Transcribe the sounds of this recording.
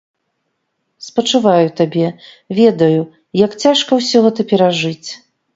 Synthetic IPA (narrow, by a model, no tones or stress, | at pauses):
spɐt͡ʂɨvajut̪abʲɛ | vʲɛd̪ɐju | jakt͡sʲaʂkɐwsʲɔɣɛt̪ɐpʲɛɾaʐɨt͡sʲ